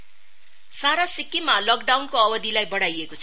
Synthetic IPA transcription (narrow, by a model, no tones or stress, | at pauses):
saɾasikːimalʌkɖawnkoʌbʌd̪ilajbʌɽajekot͡sʰʌ